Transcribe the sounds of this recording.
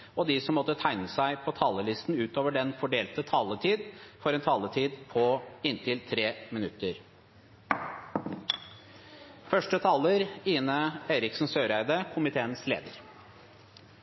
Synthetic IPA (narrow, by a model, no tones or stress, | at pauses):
ɔd̪isɔmːɔt̪ːət̪ʰæɪnəsæɪpʰɔt̪ʰɑːləlɪst̪n̩ʉːt̪oːʋəɖɛnfɔɖeːlt̪ət̪ʰɑːlət̪ʰiːd̪fɔɾɛnt̪ʰɑːlət̪ʰiːd̪pʰɔɪnt̪ʰɪlt̪ʰɾeːmɪnʉt̪əɾ | fœʂʈət̪ʰɑːləɾiːnəeːɾɪksn̩søːɾæɪd̪əkʰʊmɪt̪ʰeːənslḛːd̪əɾ